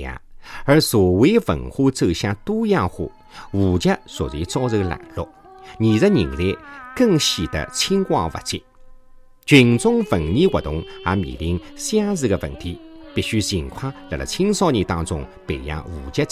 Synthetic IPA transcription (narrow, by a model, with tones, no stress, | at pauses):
a̰˧˩ə˧˥sɔ˨˩we˥fə̰˨˩nxu˥t͡sɤ˥˧ɕjã˥˧t̪u˥ja˥˧xṵ˥˧˩ | wu˨˩t͡ɕja˥swɔ˨˩zi˧˥t͡sɑ˥ʊzə˧la̰˨˩nlɔ̰˧ | ni˨˩zə˥˧ni˨˩ŋle˥˧kə˥˧ŋɕi˨˩d̪ə̰˧t͡ɕʰi˥ŋkwa̰˥˧va̰˧˩t͡ɕi˧ | t͡ɕɥi˨˩nt͡sʊ˥ŋfə˨˩ŋni˥kwə˨˩t̪ʊ˧˥ŋa˧˥mḭ˨˩li˧˥ŋɕja˥z̩˥˧ɡə˧və̰˨˩nt̪ʰi˧˥pi˥˧˩ɕy˥t͡ɕi˨˩ŋkʰwã˥la˧˩lə̰˧˩t͡ɕʰi˥ŋsɑ˥˧nɲi˧˩t̪ɑ̃˥˧t͡sʊ̰˧ŋpe˨˩ja̰˧wu˨˩t͡ɕja˥